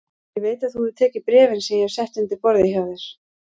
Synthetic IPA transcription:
jɛɣveːjt̪aðθuðʏt̪ʰɛːcɪpɾɛːvɪnsɛmjɛɛv̥sɛht̪ʏnt̪ɪɾpɔɾðɪçawðɪɾ̥

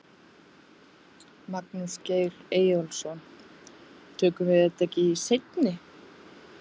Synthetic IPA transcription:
maknɪsceːjɾeːjɔlsɔn | t̪ʰœːkʏvɪðɛt̪aɛcɪisejt̪nɪ

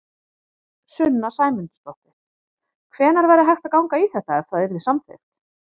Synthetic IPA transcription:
sʏnːasaːjmʏnt̪st̪ɔht̪ɪ | kʰvɛːnaɾvajɾɪɦajxt̪akawŋkaiθɛht̪aɛfθaðɛɾðɪsamθḛxt̪

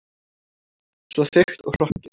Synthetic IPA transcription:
svɔθɪxt̪ɔɣr̥ɔhcɪ

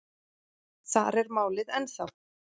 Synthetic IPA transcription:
θa̰ɾɛɾmaːwlɪðɛnθawl

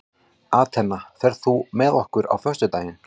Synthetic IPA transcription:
aːt̪ʰɛnːaθɛɾðθumɛðɔhkʏɾa̰wfœ̥st̪ʏt̪aːjɪn

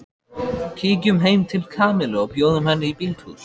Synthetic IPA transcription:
cʰiːc̬ʏmɦeːjmt̪ʰɪlkʰaːmɪlaɔɣpjoːwðʏmhɛnːɪipiːlt̪hṵs

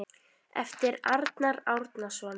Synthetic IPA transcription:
ɛ̰ft̪ɪɾaɾt̪naɾawɾt̪nasvɔːn

